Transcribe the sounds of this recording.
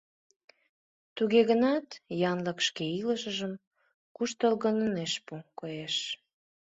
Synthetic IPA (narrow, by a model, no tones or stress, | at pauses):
t̪uɣeɣənɑt̪jɑnləkʃkeiləʃəʒəm | kuʃt̪əlɣənəneʃpukojeʃ